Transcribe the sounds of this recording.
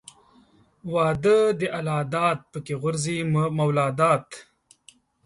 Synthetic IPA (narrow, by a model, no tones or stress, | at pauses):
wɑːd̪əd̪əʔalɑːd̪ɑːt̪̚pəkeɣʊɾzimawlɑːd̪ɑːt̪